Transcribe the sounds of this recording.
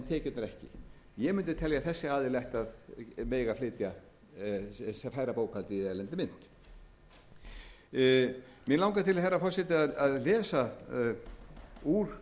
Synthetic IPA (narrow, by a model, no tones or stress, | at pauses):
t̪ʰɛːcɪt̪naɾɛhcɪ̰ | jɛɣmʏnt̪ɪt̪ʰɛljaθɛsːɪaːðɪlɛht̪aðmeːjɣaflɪːt̪ja | sɛfaːjɾapoːwkalt̪ɪɛlɛnt̪ɪmɪn̥t̪ | mɪlawŋkat̪ʰɪlθɛrːafɔr̥sɛt̪ɪaðaðlɛːsa | uːɾ̥